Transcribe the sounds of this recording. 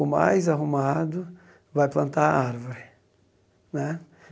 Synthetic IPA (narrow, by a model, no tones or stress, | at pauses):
ʊma̰jzaɦumad̪ʊ | vajplɐ̃nt̪aɾaɾvʊɾɪ | nɛ